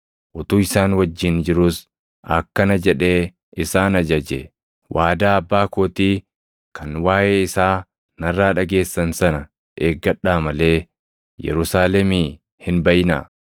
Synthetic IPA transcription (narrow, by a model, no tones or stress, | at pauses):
ʔɔt̪uːɪsaːnwɐd͡ʒːɪnd͡ʒɪɾʊs | ɐkːɐnɐd͡ʒɛᶑe̞ː | ɪsaːnɐd͡ʒɐd͡ʒḛ | wʔaːd̪aːɐbːaːkoːt̪iː | kɐnwaːʔeːɪsaː | nɐrːaːᶑɐɡe̞ːsːɐnsɐnɐ | ʔeːɡːɐᶑaːmɐle̞ː | jɛ̰ɾʊsaːlɛmiː | hɪnbɐʔɪna̰ː